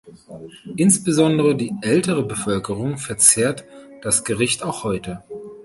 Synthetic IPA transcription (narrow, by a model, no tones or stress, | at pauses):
ʔɪnsb̥əzɔndəʁədiːʔɛltəʁəbəfœlkəʁʊŋfɛɐt͡seːɐtd̥asɡ̥əʁɪçtaʊxhɔʏtə